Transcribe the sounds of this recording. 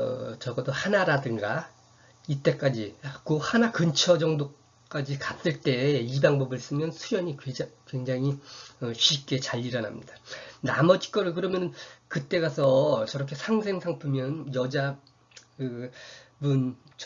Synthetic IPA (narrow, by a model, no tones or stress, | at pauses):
ʌ̰t͡ɕʌɡʌdohanaɾadɯŋɡa | it͈e̞k͈ad͡ʑik͈ohanakɯnt͡ɕʰʌd͡ʑʌŋdo | k͈ad͡ʑikas͈ɯɭt͈e̞ibaŋbʌbɯɭs͈ɯmjʌnsʰujʌɲikkwe̞ŋd͡ʑaŋiʌɕʰip̚k͈e̞t͡ɕaʎːiɾʌna̰mɲidana̰mʌd͡ʑi̥k͈ʌɾɯɭkɯɾʌmjʌnɯnkɯt͈eɡasʰʌt͡ɕʌɾʌkʰe̞sʰaŋsʰe̞ŋsʰaŋpʰumjʌnjʌd͡ʑa | ɯbunt͡ɕʰ